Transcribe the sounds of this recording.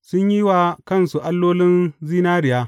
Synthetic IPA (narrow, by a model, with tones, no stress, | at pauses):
sʊ˦ɲji˦waː˨kɐ˦˨nsu˨ʔa˦lːoː˦lɪ˦nziː˦naː˦ɾɪ˨jaː˦